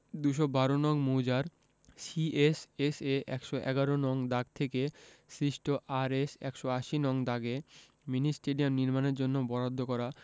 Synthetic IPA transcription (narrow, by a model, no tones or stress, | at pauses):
d̪uʃobaɾonɔŋmud͡ʑaɾ | sieseseʔɛ̰kʃoʔɛ̰ɡaɾonɔŋd̪aɡt̪ʰekesɾiʃʈʰoʔaɾesɛ̰kʃoaʃinɔŋd̪aɡe | minisʈeɖiamniɾmaneɾd͡ʑonːobɔɾad̪ʱːokɔɾa